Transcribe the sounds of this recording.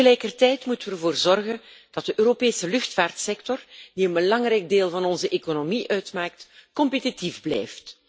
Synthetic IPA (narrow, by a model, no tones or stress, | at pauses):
əlɛjkərtɛjtmutənʋərvoːrzɔrɣənd̥ɑt̚dəʔøːɾopeːsəlʏxtfaːrtsɛktɔrd̥iənbəlɑŋrɛjɡ̚deːlˠvɑnɔnzəʔekonomiʔœɥtmaːk̚tkɔmpetitivblɛ̰jft